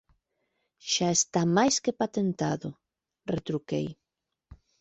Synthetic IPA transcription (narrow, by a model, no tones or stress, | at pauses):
ʃaest̪amajskepat̪ent̪a̰ðo | ret̪ɾukḛj